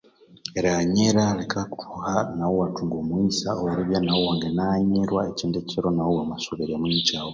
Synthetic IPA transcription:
eɾaɲeɾalekʰakutuhanawowatuŋɡomwiːsaoɾiβjanawowaːŋɡenaɲeɾwaeciːndeciɾo̞nawowamasoβiɾemuɲicaːwo

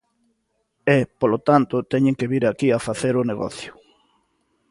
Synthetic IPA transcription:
ɛpolot̪ant̪ʊt̪ɛɲẽŋkeβiɾakiafaθeɾʊneɣɔ̰θjʊ̥

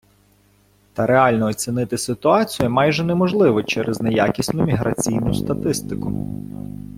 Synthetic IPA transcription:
t̪ɐɾeɑlʲnɔːt͡sʲinɪt̪ɪsɪt̪ʊɑt͡sʲijʊmɑjʒɛnɛmɔʒlˠɪʋɔt͡ʃɛɾʔɛznejakʲisʲnʊmʲiɦɾʔɐt͡sʲijnʊst̪ɐt̪ɪst̪ɪkʊ

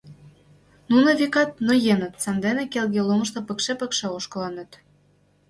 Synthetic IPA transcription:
nunɤ̆vikɑt̪̚nojenə̆t̪sɑnd̪enĕkelɣelumə̆ʃt̪ɤ̆pə̆kʃepə̆kʃeoʃkɤ̆lɑnɤ̆t̪

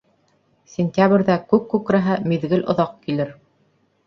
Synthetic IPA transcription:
sʲɪnʲt̪ʲjabɾʲðækʉkːʉkɾæɦɘmiðɡɘlŏðɑqkilɘɾ

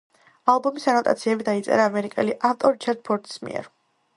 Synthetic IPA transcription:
alˠbɔmisanɔt̪ʼa̰t̪sʰiɛbid̪ait̪sʼɛ̰ɾaːmɛɾikʼɛ̰liʔaft̪ʼɔɾit͡ʃʰɛɾd̪̥̚pʰɔɾt̪ʼi̥smḭɛ̰ɾ

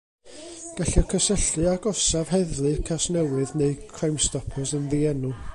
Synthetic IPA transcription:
ɡ̥aɬiɔkʰəsəɬɨaɡɔsav̥hɛðlˠɨkʰasnɛwɨðneɨkʰrajmstɔpʰɔsənðiɛnu

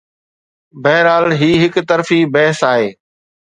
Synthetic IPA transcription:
bɛɦɾaːlɦiːɦɪkt̪əɾfiːbɛɦəsaːɦeː

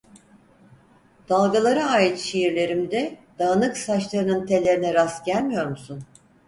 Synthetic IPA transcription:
d̪̥alˠɡalˠaɾaaːjit̪ʃejiɾlʲe̞ɾimd̪ɛd̪̥aːnɯksat͡ʃlˠaɾɯnɯnt̪ʰe̞lʲe̞ɾinɛɾasɟælʲmijo̞ɾmusun

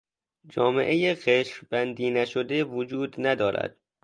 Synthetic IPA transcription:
d͡ʒɒːmḛʔejeɣeʃɾbænd̪iːnæʃod̪evod͡ʒuːd̪næd̪ɒːɾæ̰d̪̥̚

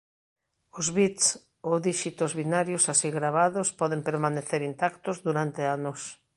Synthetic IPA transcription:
ʊzβit̪s | oðiʃit̪ozβinaɾjosasiɣɾaβ̞aðospɔðempeɾmaneθeɾint̪akt̪ozðuɾant̪eanʊs

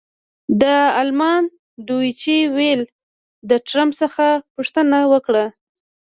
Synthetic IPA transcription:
d̪əalmɑn | d̪uit͡ʃewel | d̪əʈɾampsəxapuʂt̪ənawəkɽa

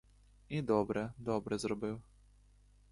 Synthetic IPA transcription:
id̪ɔbɾɛd̪ɔbɾɛzɾɔbɨw

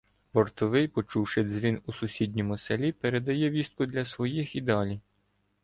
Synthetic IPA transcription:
bɔrt̪ɔʋɪjpɔt͡ʃuwʃɪzʲʋʲinusʊsʲidʲnʲimʊselʲipeɾed̪ɐjɛʋʲist̪̚kʊd̪lʲɐsʋɔjixid̪ɑlʲi

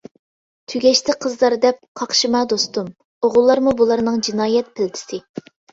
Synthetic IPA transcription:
t̪ʰyɡʲɛʃt̪ʰɪqʰəzlˠɑɾd̪ɛp̚qʰɑχʃɨmɑd̪ost̪um | oʁʊlˠːɑɾmubulˠɑɾnɨŋd͡ʒinɑːjɛt̪̚pʰɪlt̪ʰɪ̥sɪ

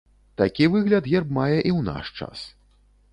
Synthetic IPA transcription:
t̪akʲivɨɣlʲɐt̪ɣɛrbmajɛʔiwna̰ʂt͡ʂa̰s

